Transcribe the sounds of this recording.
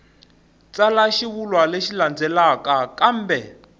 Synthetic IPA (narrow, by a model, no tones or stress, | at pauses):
t͡salaʃiβulwaleʃiland͡zɛlakakam̩ːbɛ